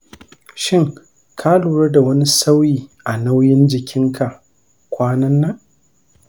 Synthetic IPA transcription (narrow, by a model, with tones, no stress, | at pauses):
ʃɪ˦ŋ | kʰa˦luː˨ɽɐ˦rda˨wɐ˦ni˦sa˦wjiː˨ʔa˨na˦wjɪ˦nd͡ʒɪ˨kʲʰɪ˦ŋkʰa˨ʔ | kʷaː˦nɐ˦nːa˦